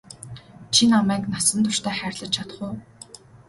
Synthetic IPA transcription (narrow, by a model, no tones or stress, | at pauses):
t͡ɕʰinamæːknasə̆nt̪ʰʊʃt̪ʰæːχæːrʲɮə̆t͡ɕt͡ɕʰat̪ə̥̆χʊː